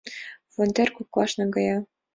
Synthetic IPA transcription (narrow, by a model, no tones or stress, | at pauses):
fonʲd̪ʲerʲkuklˠɑʃnɤ̆ɡɑjɑ